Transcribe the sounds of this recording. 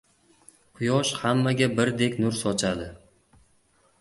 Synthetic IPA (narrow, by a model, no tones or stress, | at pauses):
qʰʊjɒʃhamːaɡʲabɪɾd̪e̞kʲnʊɾsɒt͡ʃʰad̪ɪ